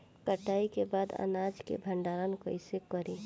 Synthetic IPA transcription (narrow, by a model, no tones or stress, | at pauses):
kəʈaːikebaːd̪ə̰naːd͡ʒkḛbʱə̃ɳɖaɾənkoɪsekəɾi